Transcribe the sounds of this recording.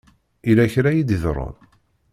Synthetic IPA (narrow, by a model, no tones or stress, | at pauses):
ilæçɾæjid̪iðɾˤʊ̰n